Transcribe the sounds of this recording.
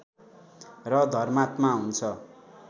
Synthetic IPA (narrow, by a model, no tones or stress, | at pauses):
rʌd̪ʱʌrmat̪maɦunt͡sʰʌ